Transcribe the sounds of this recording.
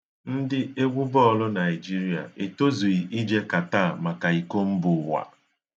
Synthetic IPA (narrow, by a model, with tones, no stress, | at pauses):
n̩˦dɪ˦e˦ɡʷʊ˦bɔ˦˨lʊ˦na˨ɪ˨d͡ʒi˦ɾi˨˦a̰˨e˨to˦zu˨i˨ʔi˦d͡ʒe˦ka˨ta˦˨ma˨ka˨i˨ko˦m̩˦bʊ˨wa̰˨